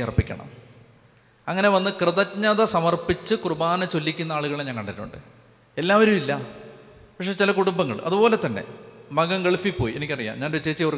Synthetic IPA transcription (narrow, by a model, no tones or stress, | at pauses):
ɐrɐpːikʲːɐ̰ɳɐ̰m | ɐŋːɐne̞ʋɐnːɨkrɨðɐɲɐðɐsɐmɐrpit͡ɕːɨkrɨbaːnɐt͡ɕo̞lːikʲːunːɐaːɭuɣɐɭeɲaːnkɐɳɖɐiʈːṵɳɖɨ̰ | e̞lːaːʋɐɾumilːɐ | pɐkʂe̞ːt͡ɕilɐkuɽumbɐŋːɐ̰ɭɐ̰ðubo̞ːle̞t̪ːɐnːe̞̰mɐɣɐŋɡeɭfipːo̞ːjienikʲːɐrijːa̰ːmɲaːnet͡ɕːeːt͡ɕːiɐʋr